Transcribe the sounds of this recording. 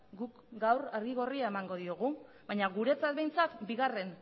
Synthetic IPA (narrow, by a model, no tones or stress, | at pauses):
ɡuk | ɡawraɾɣiɣo̞riae̞maŋɡo̞ðio̞ɣ̞u | bajɲaɣuɾe̞t͡sat̪βe̞jnt͡sak̪biɣare̞n